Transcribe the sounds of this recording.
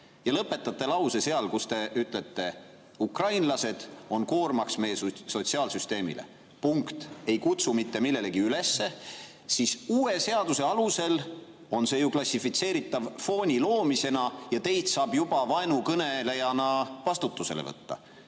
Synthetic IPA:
jɑlɤpːˑe̞t̪ːˑɑt̪ːe̞lɑwsese̞ɑlkust̪e̞yt̪ˑle̞t̪ˑːe̞ | ukrɑjnlɑse̞d̪̥o̞nko̞ːrmɑksme̞jesso̞t̪siɑːlsyst̪e̞ːmḭlḛ | puŋkt̪e̞jkut̪sumit̪ːe̞milːe̞le̞ɡ̥iyle̞sːe̞ | sisuːe̞se̞ɑd̪̥use̞ɑluse̞l | o̞nse̞juklɑsʲifit̪se̞ːɾit̪ːˑɑvfo̞ːnʲilo̞ːmise̞nɑjɑt̪e̞jt̪sɑːb̥jub̥ɑvɑenukɤne̞le̞jɑnɑvɑst̪ut̪ːuse̞̰lḛvɤ̰t̪ːɑ̰

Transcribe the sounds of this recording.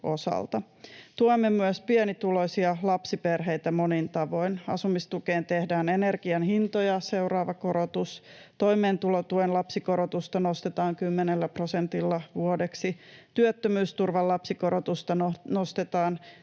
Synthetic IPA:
ʔo̞sɑ̰lt̪ɑ | t̪uoemːemyəspienit̪ulosiɑlɑpsiperɦe̞jt̪æmo̞nint̪ɑʋo̞inɑ̰sumist̪ukeːnt̪ehdæːnenerɡ̥iɑnhint̪ojɑse̞uwɾɑːʋɑkoɾot̪us | t̪o̞jmeːnt̪ulot̪uenlɑpsikoɾot̪ust̪ɑno̞st̪et̪ɑːŋkymːenelːæpro̞sent̪ilːɑʋuodeksit̪yøt̪ːømyːst̪urʋɑlːɑpsikoɾot̪ust̪ɑnonost̪et̪ɑːn

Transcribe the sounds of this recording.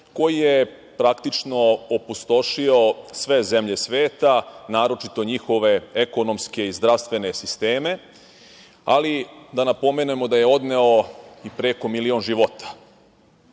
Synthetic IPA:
ko̞jije | pɾakt̪it͡ʃno̞opust̪o̞ʃio̞sʋe̞zemʎe̞sʋeːt̪anaːɾo̞t͡ʃit̪o̞ɲixo̞ʋe̞eko̞no̞mske̞izd̪ɾaʋst̪ʋe̞ne̞sist̪eːme̞ | a̰lid̪anapo̞menujemo̞d̪aje̞o̞d̪ne̞o̞ipɾeko̞milio̞ːnʒiʋo̞t̪ḁ

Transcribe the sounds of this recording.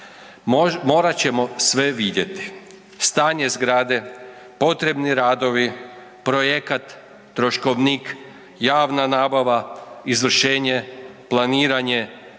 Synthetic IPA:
mo̞ːɾat͡ɕe̞mo̞sʋeʋid̪je̞t̪i̥ | st̪aːɲe̞zɡɾaːd̪e̞ | po̞t̪ɾe̞bniɾaːd̪o̞ʋi | pɾojekat̪ː | ɾoʃko̞ʋnik | jaːʋnanaːbaʋaizʋr̩ʃe̞ːɲe̞plˠaniːɾaɲe̞

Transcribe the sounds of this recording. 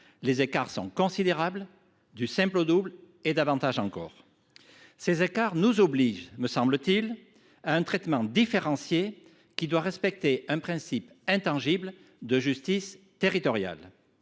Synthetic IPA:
lezekaʁsɔ̰̃kɔ̃sid̪eʁabl | d̪ysɛ̃plod̪ubl | ed̪avɑ̃t̪aʒɑ̃kɔ̰ːʁ | sezekaʁnuzɔbliʒməsɑ̃blət̪il | aɛ̃t̪χɛt̪mɑ̃d̪ifeʁɑ̃sje | kʲid̪waʁɛspɛk̚t̪eʔɛ̃pχɛ̃sip | ɛ̃t̪ɑ̃ʒibl | d̪əʒyst̪is | t̪eʁit̪ɔʁja̰l

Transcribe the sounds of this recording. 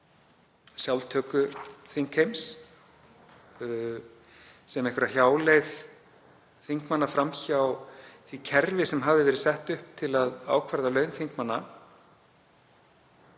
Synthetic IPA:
sjawlt̪ʰœːkʏθiŋkhejms | sɛmɛhkvʏɾaçjaːwlejð | θiŋkmanːafɾamçaːwθvicʰɛɾvɪsɛmɦavðɪvɛɾɪsɛht̪ʏhp̚t̪ʰɪlaða̰ːwkʰvaɾðalœːɥnθiŋkmanːa

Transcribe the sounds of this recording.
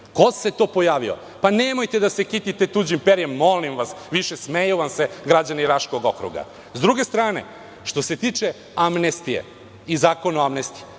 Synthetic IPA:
ko̞se̞t̪o̞ːpo̞jaːʋio̰ | panemo̞jt̪e̞d̪asekit̪it̪et̪uːd͡ʑimpeɾijemːo̞limʋasʋiʃesmejuʋamseɡɾad͡ʑaniɾaʃko̞ɡo̞kɾṵɡa̰ | zd̪ɾuɡe̞st̪ɾaːne̞̰ | ʃt̪o̞set̪it͡ʃe | amnest̪ijḛ | izaːko̞noamnest̪i̥e

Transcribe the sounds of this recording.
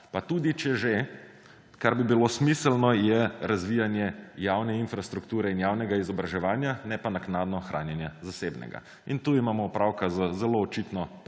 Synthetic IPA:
pat̪uːd̪it͡ʃɛʒe | kaɾbibilosmisɛlnɔjɛɾazʋijanjɛjaːwnɛinfɾast̪ɾukt̪uːɾɛinjawnɛɡaizɔbɾaʒɛʋaːnjanɛpanaknaːd̪nɔxɾʔa̰ːnjɛnjazaseːbnɛ̰ɡa̰ | int̪uimaːmɔupɾaːwkazazɛloːt͡ʃit̪nɔ

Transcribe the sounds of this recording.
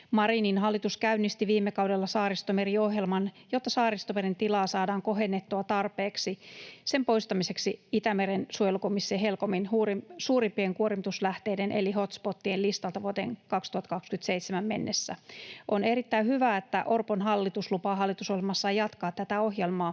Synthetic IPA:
mɑɾininɦɑlːit̪uskæynːist̪iʋiːmːekɑwdelːɑsɑːɾist̪omeriohjelmɑnjot̪ːɑsɑːrist̪omerint̪ilɑːsɑːdɑːŋkoɦenːet̪ːuɑt̪ɑrpeːksise̞mpo̞ist̪ɑmise̞ksiit̪æmeɾensuojelukomisːeːɦelkominhuːrisuːrimpːieŋkuoɾimt̪uslæht̪eːdenʔḛliho̞t̪spot̪ːielist̪ɑlt̪ɑʋuot̪eːŋkɑkst̪uhɑt̪kɑkskyt̪seit̪semæmmenːesːæ̰ʔoneɾit̪ːæihyʋæet̪ːæ̰ʔorponɦɑlːit̪uslupɑːɦɑlːit̪usohlemɑsːɑjɑt̪kɑːt̪t̪æt̪æoɦjelmɑː

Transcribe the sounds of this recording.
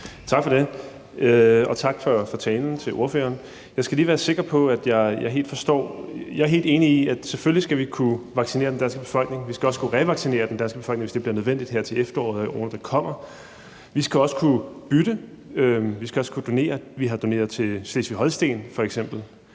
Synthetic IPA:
t͡sʰɑ̈ɡ̥fɒ̽ɾe̝ | ɒ̽t͡sʰɑ̈ɡ̥fɒ̽fɒ̽t͡sʰɛːln̩t͡sʰe̝lʔo̝ɐfø̰ːɐːn | jɑ̈ɪsɡ̥æliːʋæːɐse̝ɡ̥ɐpʰɒ̽æd̥jɑ̈ɪjɑ̈ɪe̝̰ːld̥fɒ̽sd̥ɒ̰ːjɑ̈ɪæɐɦe̝ːld̥e̝ːniiæd̥seføllisɡ̥æʋikʰuʋɑ̈ɡ̥sine̝̰ːɐd̥end̥ænsɡ̥əb̥e̥fɒ̽l̰ɡ̥ne̝ŋʋisɡ̥æɒ̽səkʰuʁɛʋɑ̈ɡ̥sine̝̰ːɐd̥end̥ænsɡ̥b̥e̝̥fɒ̽lɡneŋʋesd̥e̝b̥liɐnøð̞ˠʋen̰d̥id̥heɐ̰t͡sʰe̝lefd̥ɐɒ̰ːðˠoːnɐd̥ɑ̈kʰɒ̽m̰ɐ | ʋisɡ̥æɒ̽sə̥kʰub̥ydə | øʋisɡ̥æɒ̽sə̥kʰud̥o̝ne̝̰ːɐʋiɦɑ̈d̥o̝ne̝ːɐðˠt͡sʰe̝sle̝ːsʋiɦɒ̽lsd̥e̝̰ːnfɒ̽eɡ̥sem̰b̥l̩

